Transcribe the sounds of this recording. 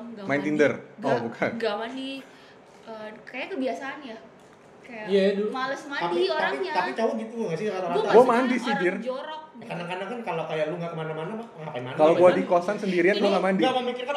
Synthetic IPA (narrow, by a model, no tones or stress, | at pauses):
ɡmaɪnt̪indərɔbukʰanɡamandi | əkajakəbiasaːnja | kajaijajadulumaləsmaadiait̪apit͡ʃawaɡit̪uŋasiaat̪aɾaaɡuamandisidɪrd͡ʒoɾɔkanakanaŋkankalokajaʔluŋɡakəmanamanamaŋapamankaloɡuadikosansəndiɾianɡuaŋamandimamikɪrka